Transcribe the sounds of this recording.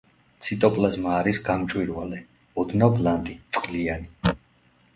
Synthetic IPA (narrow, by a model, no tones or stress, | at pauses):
t̪sʰit̪ʼɔpʼlazmaːɾisɡamt͡ʃʼwiɾvalɛ | ɔd̪nɔblant̪ʼit̪sʼqʼliani